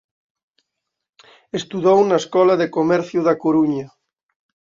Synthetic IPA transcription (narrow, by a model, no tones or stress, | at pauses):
est̪uðownaeskɔlaðekomɛɾθjuðakoɾuɲɐ